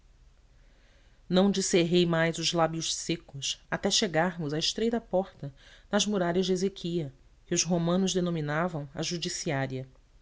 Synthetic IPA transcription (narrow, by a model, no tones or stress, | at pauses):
nɐ̃w̃d͡ʒiseɦejmajzʊzlabjʊʃsekʊsat̪ɛʃeɡaɾmʊzaɪʃt̪ɾejd̪ɐpɔχt̪ɐnɐzmuɾaʎɐʒd͡ʒezekʰiɐ | kɪʊzɦomɐ̃nʊzd̪enõminavɐ̃w̃ɐ̰ʒud͡ʒisiaɾiɐ